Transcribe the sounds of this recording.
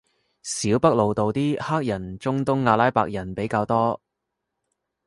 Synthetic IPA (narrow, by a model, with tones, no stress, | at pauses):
siː˨˥wpɐ˥k̚lo˨wt̪o˨wt̪iː˥haː˥k̚jɐ˨˩nt͡sʊ˥ŋt̪ʊ˥ŋːaː˨˧laː˥jpaː˧k̚jɐ˨˩npe˨˥jkaː˧wt̪ɔː˥